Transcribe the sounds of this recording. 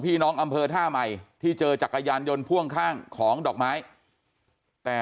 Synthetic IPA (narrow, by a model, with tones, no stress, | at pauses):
pʰiː˥˩nɔː˦˥ŋʔa˧mpʰɤː˧t̪ʰaː˥˩ma˨˩jt̪ʰiː˥˩t͡ɕɤː˧t͡ɕa˨˩kːa˧jaː˧njo˧npʰu˥˩əŋkʰaː˥˩ŋkʰɔː˩˦ŋdɔː˨˩k̚maː˦˥j | t̪ɛː˨˩